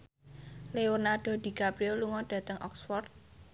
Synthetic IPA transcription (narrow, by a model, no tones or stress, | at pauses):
lewʊnaɖ̥ɔ̤d̪̥i̤kapɾioluŋɔɖ̥ä̤t̪əŋʔɔ̰ksfɔrt̪̚